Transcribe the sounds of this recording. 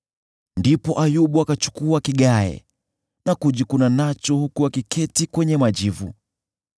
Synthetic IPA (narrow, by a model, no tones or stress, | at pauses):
ndipɔʔajuɓuakat͡ʃu̥kuakiɠaɛ̰ | nakuʄikunanat͡ʃɔhukuwakikʰɛtikwɛɲɛmad͡ʒivṵ